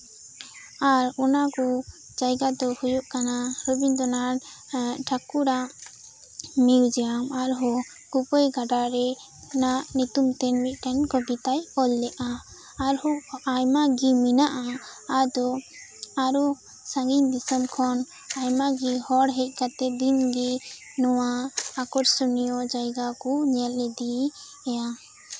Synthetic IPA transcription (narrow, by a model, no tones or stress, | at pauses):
aɾɔnaku | d͡ʒajɡad̪ɔhujɔʔkanaɾɔbiɲd̪ɔnaɾ | ʈʰakuɾa | miwd͡ʒɛamaɾɦɔ | ɡ̥upɔjɡaɖaɾɛ | naʔnut̪umt̪ɛnmit̪̚ˀʈɛnkɔbit̪ajɔlːɛʔaː | ɾhɔajmaɡiminaʔaad̪ɔ | aɾɔ | sãŋɡiɲd̪isəmkʰɔn | ajmaɡihɔɽɦɛc̚ˀkat̪ɛd̪inɡi | nɔwaːkɔɾsɔnijɔd͡ʒajɡakɔɲɛlɛd̪i | ɛja